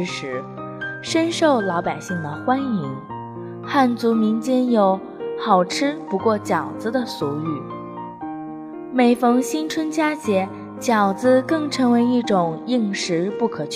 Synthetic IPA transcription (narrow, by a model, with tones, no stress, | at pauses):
ʂɻ̩˧˥ | ʂə˥nʂo˥˩ʊlɑ˧˥ʊpa˨˩ɪɕi˥˩ŋd̪ə˩xwa˥ni˧˥ŋ | xa˥˩nt͡su˧˥mi˧˥ŋt͡ɕjɛ˥˩njo˧˥ʊ | xɑ˨˩ʊʈ͡ʂʰɻ̩˥pu˧˥kwɔ˥˩t͡ɕjɑ˨˩ʊt͡sɹ̩˧d̪ə˨su˧˥y˨˩˦ | me˨˩ɪfɤ˧˥ŋɕi˥nt͡sʰwə˥nt͡ɕja˥t͡ɕjɛ˧˥ | t͡ɕjɑ˨˩ʊt͡sɹ̩˧kɤ˥˩ŋʈ͡ʂʰɤ˧˥ŋwe˧˥ɪi˥˩ʈ͡ʂʊ˨˩ŋi˥˩ŋʂɻ̩˧˥pu˥˩kʰɤ˨˩t͡ɕʰ